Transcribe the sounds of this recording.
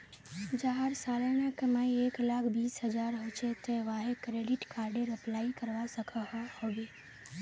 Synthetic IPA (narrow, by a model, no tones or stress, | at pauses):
d͡ʒaɦaɾsaːlənakɐmaieːklaːkʰbiːsɦəd͡ʒaːɾɦot͡ʃet̪eʋaːɦekɾeːɖɪʈkaːɾɖeɾɐplaːikəɾʋasəkʰahhoːɡeː